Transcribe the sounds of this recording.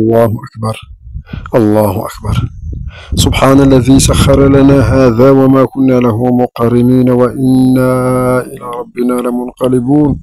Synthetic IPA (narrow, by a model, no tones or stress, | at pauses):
ʔɑlˤːɑːhʊʔakbɑɾˤʔɑlˤːɑːhʊʔa̰kbɑɾˤ | sʊbħaːnalːaðiːsaxːɑɾˤɑlanaːɦaːðaːwamaːkʊnːaːlaɦʊmʊqɑrːɪmiːnawaʔɪnːaːʔɪlaːɾˤɑbːɪnaːlɪmʊnqɑlɪbuːn